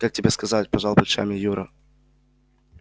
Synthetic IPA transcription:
kak̚tʲɪbʲeskɐzat̚ʲpɐʐalˠpəlʲʂa̰mʲɪjuɾə

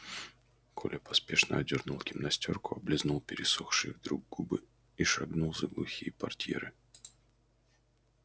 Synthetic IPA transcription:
kʰolʲəpɐspʲe̞ʂnə̰ɐdʲɪrnulˠkʲɪmnɐsʲtʲo̞rkʊɐblʲɪznulˠpʲɪɾʲɪsuxʂɨ̰vd̪ɾuɡ̚ɡubɨ | iʂɐɡnulˠzəɡlˠʊxʲijəpɐrtʲḛɾɨ

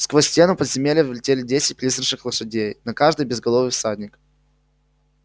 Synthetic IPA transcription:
skvosʲtʲe̞nʊpəd̪zʲɪmʲelʲɪvvʲlʲɪtʲelʲɪdʲesʲɪt̚ʲplʲisɾʂɨxlˠəʂɨdʲejnɐkaʐd̪ɨjbʲɪzɡɐlˠovəfsadʲnʲɪkə

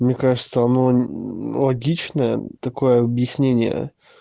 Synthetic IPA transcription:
mnʲekaʐɨt̪səɐno̞lˠɐɡʲit͡ɕnəjə̰t̪ɐko̞jəɐbjɪsʲnʲenʲɪjə̰

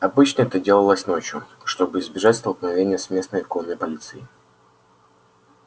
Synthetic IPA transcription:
ɐbɨt͡ɕnəɛt̪ədʲe̞lˠəlˠəsʲno̞t͡ɕjʊ | ʂt̪o̞bɨɪzbʲɪʐatʲst̪əlˠknɐvʲenʲɪjəsmʲe̞snəjɪkonəjpɐlʲit̪sɨɪ

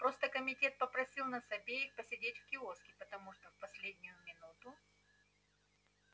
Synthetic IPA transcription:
pɾo̞st̪əkəmʲɪtʲe̞t̪̚pəpɾɐsʲilˠnəsɐbʲeɪxpəsʲɪdʲetʲfkʲɪoskʲɪpət̪ɐmuʂt̪ofpɐsʲlʲedʲnʲʊjʊmʲɪnut̪ʊ

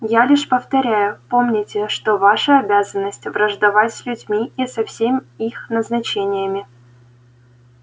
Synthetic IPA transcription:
jalʲiʂpəft̪ɐɾʲæjʊpo̞mnʲɪtʲɪʂt̪ovaʂəɐbʲazənːəsʲtʲvrəʐd̪ɐvatʲsʲlʲʉdʲmʲiisɐfsʲemʲɪixnəznɐt͡ɕenʲɪjəmʲɪ

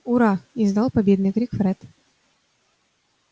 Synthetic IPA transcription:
uɾaɪzd̪ɑlˠpɐbʲed̪nɨjkɾʲikfɾɛt̪

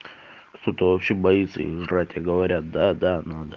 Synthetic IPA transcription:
kt̪o̞t̪əvɐpɕebɐjit̪sːə̰ɪ̰ʐratʲaɡəvɐɾʲat̪̚d̪ad̪anad̪ə

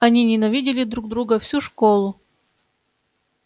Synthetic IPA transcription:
ɐnʲinʲɪnɐvʲidʲɪlʲɪd̪ɾuɡ̚d̪ɾuɡəfsʲuʂkolˠʊ

